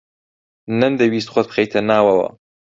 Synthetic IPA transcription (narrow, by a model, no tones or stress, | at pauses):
nɐnd̪ɐwiːs̬t̪xʷɔt̪̚ɨ̥xejt̪ʰɐnaːwɐwɐ̰